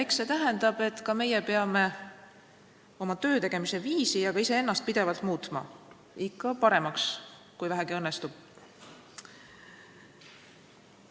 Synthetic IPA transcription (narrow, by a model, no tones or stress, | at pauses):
ekse̞t̪æɦend̪ɑb̥e̞t̪ːˑkɑme̞jepe̞ɑme̞ | o̞mɑt̪øːt̪e̞ɡ̥e̞mise̞viːsijɑɡ̥ɑise̞e̞nːɑst̪̚pid̪̥e̞vɑlt̪muːt̪mɑ̰ | ikˑːɑpɑɾe̞mɑks | kujvæɦæɡiɤnːest̪ub̥̚